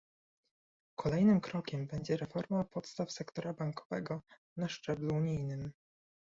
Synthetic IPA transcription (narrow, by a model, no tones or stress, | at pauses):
kʰɔlɛjnɘmkɾɔkʲɛmbɛɲd͡ʑɛɾɛfɔɾmapɔt̪st̪afsɛkt̪ɔɾabaŋkɔ̥vɛɡɔ | naʂt͡ʂɛbluːɲijnɘm